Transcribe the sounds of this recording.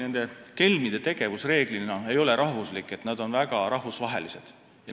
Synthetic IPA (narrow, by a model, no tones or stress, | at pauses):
ne̞nd̪e̞ke̞lmid̪̥e̞t̪e̞ɡ̥e̞vusre̞ːɡ̥linɑe̞jo̞leɾʔɑhvuslikːˑe̞t̪ːnɑd̪o̞nvæɡ̥ɑɾɑhvusvɑɦe̞̰lise̞d̪̥ | jɑ